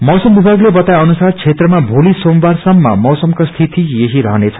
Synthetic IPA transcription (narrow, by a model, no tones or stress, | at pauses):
mʌwsʌmbibʱaɡlebʌt̪ajʌnusart͡sʰet̪rʌmabʱolisombarsʌmːʌ̰mʌwsʌmkost̪ʰit̪ijeɦiɾʌɦʌnet͡sʰʌ̥